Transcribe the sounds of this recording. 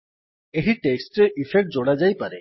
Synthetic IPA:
eɦiʈeksʈɾeʔifʰek̚ʈ̚d͡ʒoɽad͡ʒajpaɾe

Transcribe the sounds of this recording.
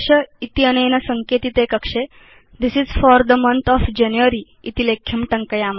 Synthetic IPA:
ʂəit̪iənejnəsəŋket̪iːt̪ekəkʂe | d̪isizfɔɾd̪əmə̃nt̪ʰɔfd͡ʒɛnjuəɾi | it̪ilekʰjəmʈə̃ŋkəjam

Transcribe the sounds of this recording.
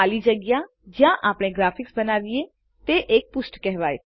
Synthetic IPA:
aːliːd͡ʒəɡjaː | d͡ʒjãːʔaːpɳẽːɡɾaːpʰɪksbənaːʋieː | t̪eːʔeːk̚pʊsʈkɛɦʋaːḛː

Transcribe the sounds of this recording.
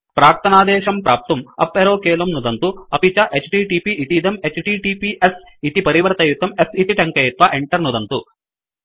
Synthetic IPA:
pɾaːk̚t̪ɐnaːd̪ɛːʃɐmpɾaːp̚t̪ɐmɐ̰pːeɾoːkɛːlɐmnud̪ɐnt̪uɐpit͡ʃɐʔet͡ʃʈiːʈiːpiʔit̪id̪ɐmet͡ʃʈiːʈipiʔes | it̪ipɐɾiʋɐɾɐt̪ɐjut̪ɐmesit̪iʈɐŋkɐjut̪ʋɐʔeɳʈɐɾnud̪ɐnt̪u

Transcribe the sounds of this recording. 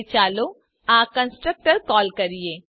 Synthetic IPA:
t͡ʃaːlo | aːkə̃nsʈɾək̚ʈəɾkɔːlkɐɾieː

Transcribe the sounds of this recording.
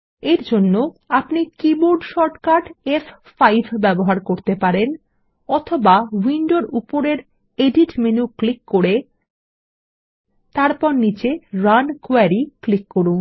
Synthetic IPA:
eɾd͡ʑonːoapnikiboɾɖʃɔɾʈkaʈef | fajbʱbɛboɦaɾkoɾt̪epaɾen | ɔt̪ʰobawinɖoɾupoɾeɾ | eɖiʈmenuklikːoɾe | t̪aɾpɔɾnit͡ɕeɾankoaɾiklikːoɾuŋ

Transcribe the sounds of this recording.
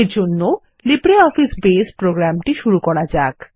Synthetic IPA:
ɾd͡ʑonːo | libɾeɔfisbespɾoɡɾamʈiʃuɾukɔɾad͡ʑak

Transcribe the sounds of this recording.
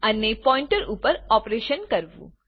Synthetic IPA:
ənepɔ̃ĩɳʈəɾupəɾɔpɾeʃənkəɾʋṵ̃

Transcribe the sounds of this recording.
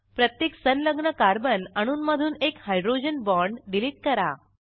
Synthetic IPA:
pɾət̪jeksənləɡɳəkaɾbənəɽ̃uːnməd̪ʱuːnekhajɖɾod͡ʑənbɔɳɖɖiliʈ̚kəɾa

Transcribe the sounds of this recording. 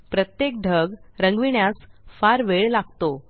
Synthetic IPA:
pɾət̪jek̚ɖʱəɡɾəŋɡʋiɳjasfaɾʋeɭlaɡt̪o

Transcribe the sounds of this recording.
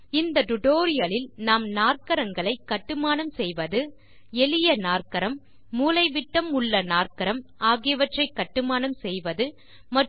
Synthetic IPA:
ɪnd̪ɐʈʊʈoːɾɪjɐlɪlnaːmnaːrkɐɾɐŋɡɐɭɐɪkːɐʈːɯmaːnɐmsɛjʋɐðɯ | ɛlɪjɐnaːrkɐɾɐmː | uːlɐɪʋɪʈːɐmʊɭːɐnaːrkɐɾɐmaːɣɪjɐʋɐʈrɐɪkːɐʈːɯmaːnɐmsɛjʋɐðɯ | mɐ

